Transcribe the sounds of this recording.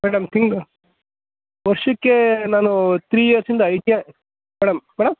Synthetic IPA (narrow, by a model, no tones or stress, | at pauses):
mɛːɽɐmt̪ʰiŋɡ | ʋɐɾʂɐkːenaːnut̪ɾiːjeːɾsind̪ɐɐjt̪ja | mɛːɽɐmːɛːɽɐm